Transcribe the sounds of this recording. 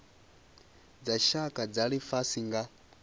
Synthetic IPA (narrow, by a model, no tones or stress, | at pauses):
d͡zaʃakʼad͡zaɺifasiŋɡa